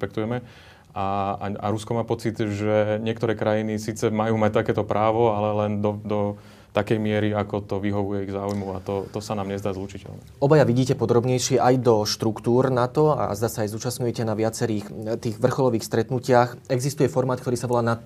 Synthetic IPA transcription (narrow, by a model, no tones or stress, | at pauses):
pɛk̚t̪ujɛmɛ | aaa̰ɾuskɔmaːpɔt͡sid̪ʒɛɲɪɛk̚t̪ɔɾɛːkɾajinisiːt͡sɛmajuːmac̚t̪akɛːt̪ɔpɾʔaːʋɔalɛlɛnd̪ɔd̪ɔ | t̪akɛjmɪɛɾiakɔt̪ɔʋiɦɔʋujɛiɣzaːujmuat̪ɔt̪ɔsanaːmɲɛzd̪aːzlut͡ʃicɛ̰lnḭ | ɔbajaʋiɟiːcɛpɔd̪ɾɔbɲɛjʃɪɛʔajd̪ɔʃt̪ɾukt̪uːɾnat̪ɔa̰zd̪aːsaːjzuːt͡ʃastɲujɛcɛnaʋɪat͡sɛɾiːxt̪iːɣʋr̩xɔlɔʋiːxst̪ɾɛt̪nucɪaxɛɡzist̪ujɛfɔɾmaːt̪̚kt̪ɔɾiːsaʋɔlaːnat̪̚